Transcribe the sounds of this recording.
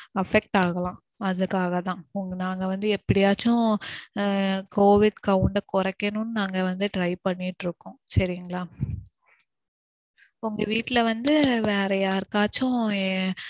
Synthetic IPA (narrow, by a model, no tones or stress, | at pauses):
ɐfɛk̚ʈaːɣɐɭãː | ɐðɯkːaːɣɐt̪ãːʊŋɡnaːŋɡɐʋɐnd̪ɯɛpːɐɽɪjaːt͡ʃːʊ̃ | koːʋɪɖkɐʋʊɳɖɐkɔɾɐkːɐnʊ̃nːɯnaːŋɡɐʋɐnd̪ɯʈɾɐɪpɐɳːiʈːɾɯkːʊ̃ːsɐɾɪjŋɡɐɭaː | ʊŋɡɐʋiːʈːɪlɐʋɐnd̪ɯʋeːɾɐjaːɾɯkːaːt͡ʃːʊ̃